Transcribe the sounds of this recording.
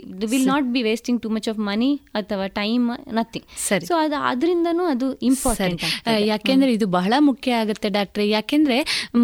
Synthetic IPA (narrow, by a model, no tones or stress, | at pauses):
ʋillnaːʈ̚biːʋeːsʈiŋʈuːmɐt͡ʃɔfmɐniɐt̪ʰɐʋaːʈɐjmnɐt̪ʰiŋsɐɾisoːɐɐ̰d̪ɐɾind̪ɐnuːɐd̪uimpaːɾsɾiɳʈaːɡt̪ajaːk̪end̪ɐɾeid̪ubɐɦɐɭɐmukʰjɐaːɡut̪ːe̞ɖaːk̚ʈɐɾejaːkeːnd̪ɐɾe̞